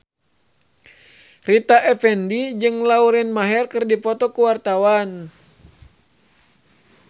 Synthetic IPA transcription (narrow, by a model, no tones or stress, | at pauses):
rit̪aʔɛfɛndid͡ʒɨŋlauɾɛnmaɦɛrkɨrdipɔt̪ɔkuwart̪awan